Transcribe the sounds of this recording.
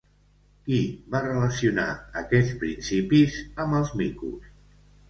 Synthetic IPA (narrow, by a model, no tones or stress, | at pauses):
kiβarələsiuna̰əkɛt͡spɾinsipizəməlˠzmikṵs